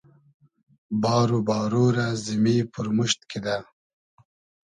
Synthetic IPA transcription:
bɑːɾubɑːɾoɾazimipʰuɾmuʃt̪̚kid̪a

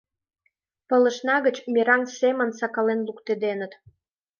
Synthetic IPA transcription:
pələ̆ʃnɑɣət͡ɕmiɾɑŋsemə̆nsɑkɑlenlukt̪ed̪enət̪

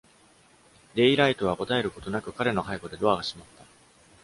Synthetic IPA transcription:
d̪e̞iɾait̪o̞β̞ako̞t̪ae̞ɾɯ̟ko̞t̪o̞nakɯ̟kaɾe̞no̞ɦaiko̞d̪e̞d̪o̞aɡaɕimat̪ːa

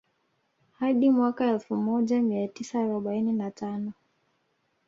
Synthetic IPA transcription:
haɗimwakaɛlfumɔʄamiatisaːɾɔɓaininatanɔ

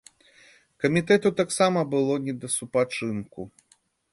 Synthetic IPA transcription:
kɐmʲit̪ɛt̪ut̪aksamɐbɨlˠɔnʲɛd̪ɐsupat͡ʂɨnku

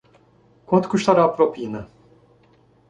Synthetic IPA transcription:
kʰot̪kʰuʃlaɾapɾopjinɯ

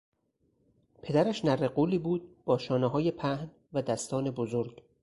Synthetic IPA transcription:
pʰe̞d̪æɾæʃnæreɢuːliːbuːd̪̥̚b̥ɒːʃɒːneɦɒːje̞pʰæhn | væd̪æst̪ʰɒːne̞bozoɾɟ̥

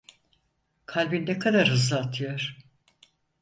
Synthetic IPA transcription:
kʰalʲbind̪ɛkʰad̪aɾhɯzlˠaːt̪ʰɯjoɾ̥

